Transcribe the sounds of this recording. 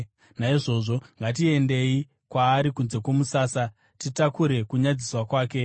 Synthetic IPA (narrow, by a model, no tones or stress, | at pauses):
naiʐo̞ʐo̞ŋɡat̬ie̞nde̞i | kwaːɾikunze̞kwomusaːsa | titakuɾe̞kuɲad͡ziswakwaːke̞